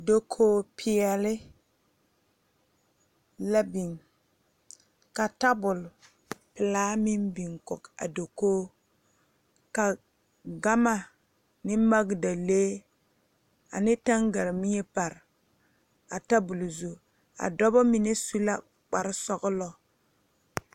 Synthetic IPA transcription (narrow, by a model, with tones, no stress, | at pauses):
do˦kʰoː˦pʰɪ˨ɛ˨lɪ˦ | la˦bi˨ŋ | ka˨ta˦bʊ˨l | pɪ˨laː˦mɪ˦mbi˨ŋkɔ̰˨ka̰˨do˨koː˦ | ka˨ | ɡa˦ma˨ | nɪ˦ma˦ɡda˨leː˦ | a̰˨nɪ˦ta˦ŋɡa˨ɾmɪ˦ɛ˦pa˨ɾ | a˨ta˦bu˨lzu˨ | a̰˨dɔ˦bɔ˦mi˨ne˦su˦la˦ | k͡pa˨ɾɪ˦sɔ˦ɡlɔ˦